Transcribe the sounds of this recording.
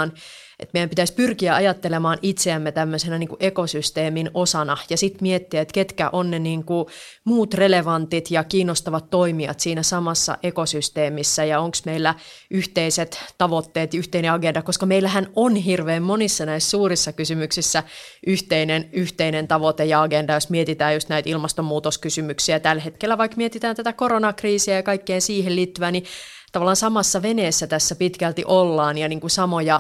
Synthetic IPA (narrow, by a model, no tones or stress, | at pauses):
n | ʔḛt̪meijæmpit̪æspyrkiæɑjɑt̪ːelemɑːnit̪seæmːet̪æmːøsenæniːŋkuʔekosyst̪eːminosɑnɑjɑsit̪miet̪ːiæet̪ket̪kæ̰ʔonneniːŋku | muːt̪releʋɑnt̪it̪jɑkiːnːost̪ɑʋɑt̪ːoimiɑ̰t̪siːnæsɑmɑsːɑ̰ʔekosyst̪eːmisːæjɑoŋksmeilːæʔyht̪eiset̪t̪ɑʋot̪ːeːt̪jyht̪eineɑɡendɑkoskɑmeilːæhænonɦirʋeːmmonisːɑnæissuːrisːɑkysymyksisːæ | ʔyht̪einenyht̪einent̪ɑʋot̪ejɑɑɡendɑjosmiet̪it̪æːjust̪næit̪ilmɑst̪omːuːt̪oskysymyksiæt̪ælhet̪kelːæʋɑikmiet̪it̪æːnt̪æt̪ækoɾonɑkriːsiæjɑkɑikːeːnsiːhelliːt̪ːyʋæni | t̪ɑʋɑlːˑɑːnsɑmɑsːɑʋeneːsːæt̪æsːæpit̪kælt̪iʔolːɑːnjɑniːŋkusɑmojɑ